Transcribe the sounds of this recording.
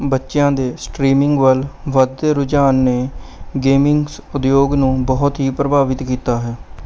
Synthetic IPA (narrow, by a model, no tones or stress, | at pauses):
bətːʃɪjãːd̪eːsʈɾiːmɪŋɡʋəlʋəd̪eːɾʊd͡ʒaːnːeːɡeːmɪŋɡsʊd̪joːɡnũːbɔːʊt̪ɦiːpɾəbaːʋɪt̪kiːt̪aːɦɛː